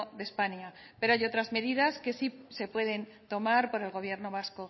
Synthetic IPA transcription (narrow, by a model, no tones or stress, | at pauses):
ðespaɲa | pe̞ɾoajo̞t̪ɾazme̞ðiðaske̞sise̞pwe̞ðe̞n | t̪o̞maɾpo̞ɾe̞lɣo̞β̞je̞ɾno̞β̞asko̞